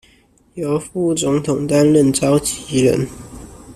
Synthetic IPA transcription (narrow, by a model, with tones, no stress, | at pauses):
jo˨˥ʊfu˥˩t͡sʊ˧˥ŋt̪ʰʊ˨˩ŋt̪a˦˥nlə˥˨nt͡sɑ˥ʊt͡ɕi˨˥lə̰˧˦n